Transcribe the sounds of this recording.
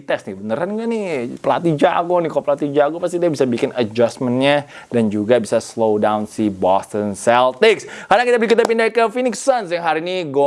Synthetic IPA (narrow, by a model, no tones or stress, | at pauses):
t̪ɛsnibənəɾanɡanɪpəla̰t̪id͡ʒa̰konɪkapəlat̪id͡ʒaɡupast̪idabisabikɪnəd͡ʒasmənɲadand͡ʒuɡabisaslowdawnsibɔst̪ənsɛlt̪ɪkskaɾdaŋkit̪abəɾikit̪ap̬indakəfinɪksansjaŋɦaɾiniɡo